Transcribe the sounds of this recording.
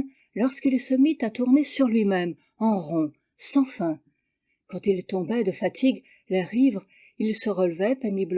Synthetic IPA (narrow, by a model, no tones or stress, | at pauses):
lɔʁskilsəmit̪at̪uʁnesyʁlɥimɛm | ɑ̃ʁɔ̃ | sɑ̃fɛ̃ | kɑ̃t̪ilt̪ɔ̃bɛd̪əfat̪ʰiɡ | leʁivʁ | ilsəʁəlvɛpenibl